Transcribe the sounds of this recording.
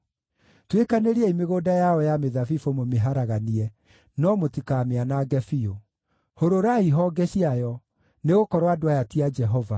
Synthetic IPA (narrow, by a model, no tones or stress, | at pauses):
twekaneɾiɛimeɣoːdajaɔjameðavifomomeɦaɾaɣaniɛ | nɔmotikameanaɡɛfio | hoɾoɾaiɦɔɡɛɕiajɔ | neɣokɔɾwadoajatiad͡ʒɛɦɔva